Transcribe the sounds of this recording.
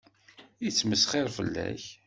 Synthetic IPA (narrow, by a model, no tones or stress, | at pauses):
it͡sːməsχɪɾfə̰lːæ̰ç